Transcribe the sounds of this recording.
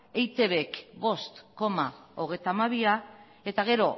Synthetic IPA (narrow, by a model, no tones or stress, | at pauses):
ejt̪e̞βe̞kbo̞st̪ko̞mao̞ɣ̞e̞jt̪amaβia | e̞t̪aɣ̞e̞ɾo̞